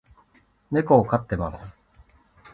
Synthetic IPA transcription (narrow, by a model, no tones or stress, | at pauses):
ne̞koːkat̪ːe̞masɨ̥